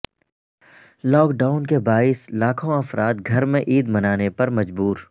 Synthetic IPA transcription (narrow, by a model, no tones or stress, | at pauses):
lɔːkɖaːʊnkebaːislaːkʰõɐfɾaːt̪̚ɡʱɐɾmẽʔiːd̪mɐnaːnepɐɾmɐd͡ʒbuːɾ